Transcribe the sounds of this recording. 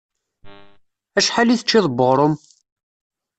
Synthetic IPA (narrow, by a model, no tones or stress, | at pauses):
æʃħaliθət͡ʃːiðˤbəʁɾˤom